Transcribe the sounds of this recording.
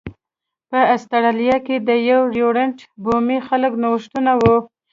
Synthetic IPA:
pəast̪aɾalijɑked̪əjawɾjoɽeɳʈbomixaləknawəʃt̪unawu

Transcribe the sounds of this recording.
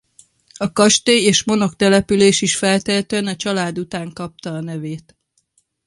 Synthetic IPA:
ɒkɒʃt̪eːeːʃmo̞no̞kt̪ɛlɛpyleːʃiʃfɛlt̪ɛlt̪øɛnɒt͡ʃɒlaːd̪ut̪aːŋkɒp̚t̪ɒːnɛveːt̪

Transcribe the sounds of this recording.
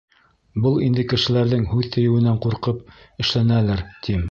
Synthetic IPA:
bɤlˠind̪ɘkɘ̆ʃɘ̆læɾðɘŋhʉðt̪ɘ̆jɘ̆wɘ̆næɴquɾqɤp̚ | ɘ̆ʃlænælɘɾt̪ʰim

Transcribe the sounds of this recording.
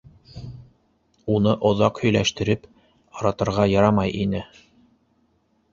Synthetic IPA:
unɤʔŏðɑqhɵ̆jlæʃt̪ɘ̆ɾɘp | ɑɾɑt̪ɤ̆ɾʁɑjɑɾɑmɑjʔinɘ

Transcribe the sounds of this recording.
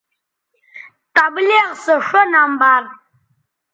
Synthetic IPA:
t̪ableʁsəʂonambar

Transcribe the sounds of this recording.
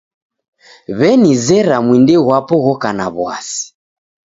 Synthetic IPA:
βɛnizɛɾamwindɛɣwapɔɣɔkanaβwa̰si̥

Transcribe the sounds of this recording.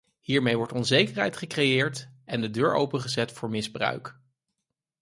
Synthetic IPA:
hiːɹmejʋɔɹtɔnzejkəɹɦɛ̰jtχəkrejɪːɹtʔɛndədøːɹo̰wpənχəzɛtfʊːɹmɪzbrœ̰ɥk

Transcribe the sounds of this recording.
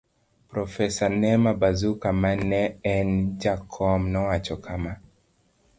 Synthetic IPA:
pɾɔfɛsanɛmabazukamanɛɛnd͡ʒakʰɔmnɔwat͡ʃɔkʰama

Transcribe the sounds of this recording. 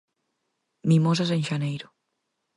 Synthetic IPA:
mĩmos̬as̬ẽŋʲʃanejɾʊ

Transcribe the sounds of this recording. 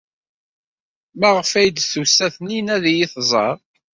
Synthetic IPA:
mæʁəfæjd̪θusæθninæðjɪθzˤɑ̰ɾˤ

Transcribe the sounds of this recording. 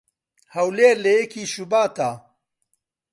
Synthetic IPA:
hɐwleːɾlejekʰiːʃubaːt̪ʰaː

